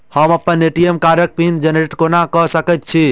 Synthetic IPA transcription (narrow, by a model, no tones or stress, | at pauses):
həməpːəneʈijemkaɾək̚pind͡ʒəneʈkonakəɦsəkət̪̚t͡ʃʰi